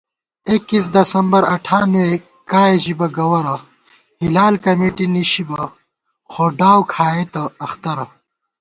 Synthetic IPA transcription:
ekis̬d̪ɐsɐmbɐɾɐʈʰaːnwe | kaːeʑibɐɡɐwɐɾɐ | hilaːlkɐmeːʈiniɕibɐ | xoːɖaːwkʰaːet̪ɐːxt̪ɐɾɐ

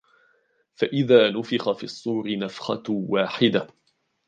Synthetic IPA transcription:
faʔɪðaːnʊfɪxafḭːɑsˤːuːɾɪnafxɑ̰waːħɪd̪a

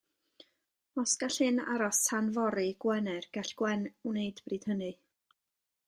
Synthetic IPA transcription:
ɔsɡ̥aɬɨna̰ɾɔstʰanvɔɾɨɡ̥wɛnɛrɡ̥aɬɡ̥wɛnwnejdb̥riːd̥hənɨ

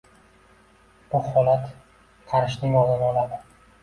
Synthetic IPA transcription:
b̥ʊhɒlat̪ | qʰɑɾɪʃnɪŋɒzɪnɒlˠad̪ɪ

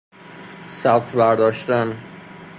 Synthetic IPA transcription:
sæb̚t̪ʰbæɾd̪ɒːʃt̪æn

